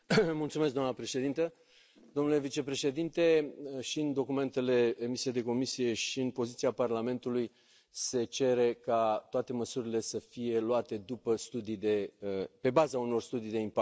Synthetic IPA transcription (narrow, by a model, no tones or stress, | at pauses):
mult̪sumesɡd̪oamnəpɾe̞ʃe̞d̪int̪ə | d̪o̞mnule̞vit͡ʃe̞pɾe̞ʃe̞d̪int̪e̞ʃiɨnd̪o̞kume̞nt̪e̞le̞emisijejd̪e̞ko̞misije̞ʃiɨnpo̞zit̪siaparlame̞nt̪uluj | se̞t͡ʃe̞ɾe̞kat̪oat̪e̞məsuɾile̞səfije̞loat̪e̞d̪upəst̪ud̪ijd̪e̞pe̞bazauno̞rst̪ud̪ijd̪e̞impa